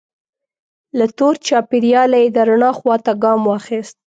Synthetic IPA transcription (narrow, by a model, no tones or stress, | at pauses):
lat̪oɾt͡ʃɑpɪɾjɑlajed̪aɾaɳɑxwɑt̪aɡɑmwɑxist̪̚